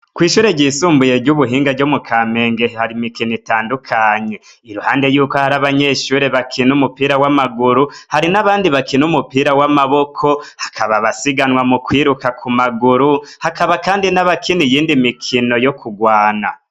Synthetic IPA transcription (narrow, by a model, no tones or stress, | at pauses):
kwiːʃuːɾeɟiːsuːmbuje̞ɟuβuɦiːŋɡaɟomukʰame̞ːŋɡe̞haɾimikinitaːndukʰaɲe̞ | iɾuhaːnde̞juːkohaɾaβaɲe̞ːʃuːɾe̞βakʰinumupiːɾawamaɡuɾuhaɾinaβaːndiβakinumupiːɾawamaβo̞kʰo̞hḁkʰaβaβasiɡanwamukwiːɾukakʰumaɡuɾuhakaβakaːndinaβakʰinijiːndimikʰino̞jo̞kʰuɡwaːna